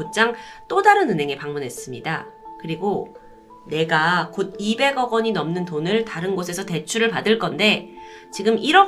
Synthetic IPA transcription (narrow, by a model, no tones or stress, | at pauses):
ot̚t͡ɕ͈aŋt͈odaɾɯnɯnɦe̞ŋepaŋmunɦe̞s͈ɯmɲidakɯɾiɡo | ne̞ɡakod̚ibe̞ɡʌɡʌɲinʌmnɯntonɯɭtaɾɯnɡosʰe̞sʰʌte̞t͡ɕʰuɾɯɭpadɯɭk͈ʌnde̞ | t͡ɕiɡɯmiɾʌ